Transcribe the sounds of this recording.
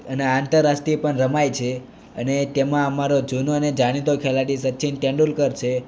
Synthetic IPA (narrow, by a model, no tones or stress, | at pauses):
əneant̪əɾːasʈ̪ɾipəɳɾəmajt͡ʃʰe | ə̰net̪emãəmaɾod͡ʒunoəned͡ʒaɽ̃it̪okʰelaɽisətːʃʰinʈ̪ẽɳɖulkəɾt͡ʃʰe